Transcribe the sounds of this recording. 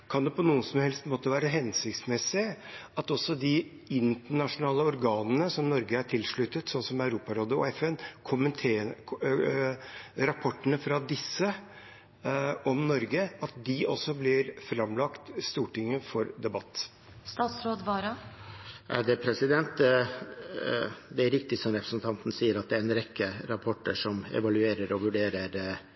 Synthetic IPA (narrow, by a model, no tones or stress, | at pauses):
kʰɑnd̪ɛpɔnuːəsɔmhɛlst̪mɔt̪ːəʋæːɾəɦɛnsɪkt̪smɛsɪəɑt̪ɔsːɔd̪ɪ | ɪnt̪əɳɑʂʊnɑːləɔɾɡɑːnənəsɔmnɔɾɡəæʈʰɪlʂɭʉt̪ːət̪sɔnsɔmœʉɾuːpɑɾoːd̪əɔ̰ɛfɛnkʰʊmənt̪ʰeː | ɾɑpʰɔʈːənəfɾɑd̪ɪsːə | ɔmnɔɾɡəɑt̪̚d̪ɪʔɔsːɔblɪɾfɾɑmlɑkt̪st̪uːʈɪŋːəfɔɾd̪ɛbɑt̪ː | st̪ɑːt̪sɾoːd̪ʋɑːɾɑ | æ̰d̪ɛpʰɾɛsɪd̪ɛnt̪ | d̪ɛæɾɪk̚t̪ɪsɔmɾɛpʰɾə̥snt̪ʰɑnt̪nəsiːəɾɑt̪̚d̪ɛæɾɛnɾɛkːəɾɑpʰɔʈːə̰ʂɔmɛ̰ʋɑlʉeːɾəɾɔʋʉɖeːɾəɾ